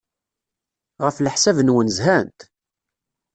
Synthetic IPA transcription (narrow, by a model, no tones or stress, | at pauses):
ʁəfləħsævənwənzhænt̪